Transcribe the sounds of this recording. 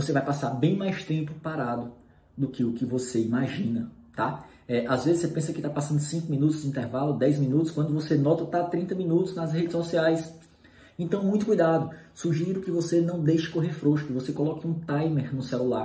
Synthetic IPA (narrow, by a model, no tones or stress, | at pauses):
vosevajpasaɾbẽj̃majst̪ẽmpʊpaɾad̪ʊ | d̪ʊkɪʊkɪvoseimaʒĩnɐ | t̪a | ɛʔazvezɪsepẽsɐkɪt̪apasɐ̃nd̪ʊsĩkʊmĩnut̪ʊzd͡ʒĩt̪ɛɾvalʊd̪ɛjzmĩnut̪ʊskwɐ̃nd̪ʊvosenɔt̪ɐt̪at̪ɾĩnt̪ɐmĩnut̪ʊznɐshed͡ʒɪsɔsiajs | ẽt̪ɐ̃w̃mũj̃t̪ʊkujd̪ad̪ʊsuʒiɾʊkɪvosenɐ̃w̃d̪ejʃɐ̥koɦeɾfɾoʃʊkɪvosekɔlɔkɪũt̪ajmeɾnʊsɛlula